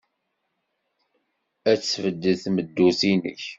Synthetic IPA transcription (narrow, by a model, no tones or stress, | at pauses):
æt͡sːfəd̪ːəθməd̪ːusinə̰ç